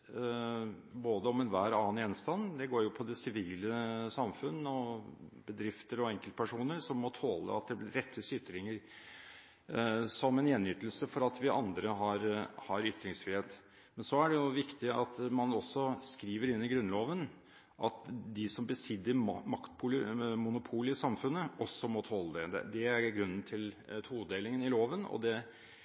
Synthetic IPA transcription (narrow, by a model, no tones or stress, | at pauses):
boːd̪əɔmɛnʋæːɾɑːənjɛnst̪ɑnːd̪ɛɡoːɾjʊpʰɔd̪ɛsɪʋiːləsɑmfʉnːɔbəd̪ɾɪft̪əɾɔɛŋkəlt̪pʰæʂuːnəɾsɔmːɔt̪ʰoːlə̰ɑt̪̚d̪ɛblɪɾɾɛt̪ʰːəsʏt̪ːɾɪŋːəɾ | sɔmɛnjɛnːʏt̪əlsəfɔɾɑt̪ʋɪʔɑ̰nd̪ɾəɦɑɾhɑɾʏt̪ːɾɪŋsfɾɪheːt̪ | mɛnsɔæɖɛjʊʋɪkt̪ɪɑt̪mɑnɔsːɔskɾiːʋəɾɪnːɪɡɾʉnːloːʋən | ʔɑt̪d̪ɪsɔmbəsɪd̪ːəɾmɑkt̪pʰʊləmʊnʊpʰuːlɪsɑmfʉnːəɔsːɔmɔt̪ʰoːlːəd̪ɛd̪ɛ̰d̪ɛæɾɡɾʉnːənt̪ʰɪlt̪ʰuːəd̪eːlɪŋənɪloːʋənɔ̰d̪ɛ